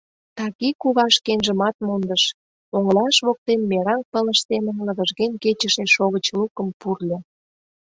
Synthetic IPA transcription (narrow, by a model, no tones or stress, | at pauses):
t̪ɑɣikuβɑʃkenʒə̆mɑt̪̚mond̪əʃ | oŋlɑʃβok̚t̪emːeɾɑŋpələʃsemə̆nlə̆βəʒɣenʲket͡ɕəʃeʃoɣət͡ɕlukə̆mpurlʲĕ